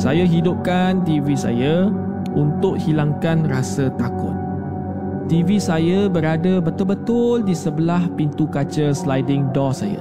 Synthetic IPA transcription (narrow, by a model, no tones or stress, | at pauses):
sajaɦidʊp̚kant̪ivisa̰ja | unt̪ʊʔ̚hilaŋkanrasət̪akʊ̰t̪̚ː | ivisajabəɾadəbət̪ʊlbət̪ʊldisəbəlahpint̪ukat͡ʃəslajdɪŋdɔsa̰ja̰